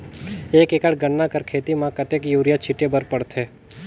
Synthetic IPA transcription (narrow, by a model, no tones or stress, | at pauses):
eːkekəɽɡəɳːakəɾkʰeːt̪imãkət̪ekjuːɾjat͡ʃʰiʈebəɾpəɽt̪ʰe